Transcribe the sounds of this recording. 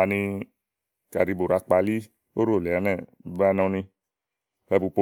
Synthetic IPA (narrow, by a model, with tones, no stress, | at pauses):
a˨nĩ˧ | ka̰˨ɾi˧bo˨ɾa˧k͡pa˧li˦ | o˦ɾo˦˨lɛ˨a˨˦nɛ˦˨ | ba˧˦nɔ̃˧nĩ˧ | fɛ˧bu˧po˧˦